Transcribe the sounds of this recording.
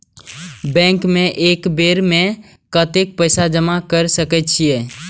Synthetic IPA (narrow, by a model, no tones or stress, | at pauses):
bɛ̃ːŋkmẽʔeːkbeːɾmẽ | kət̪ek̚pəɪsad͡ʒəmakəɾsəkət͡ʃʰieː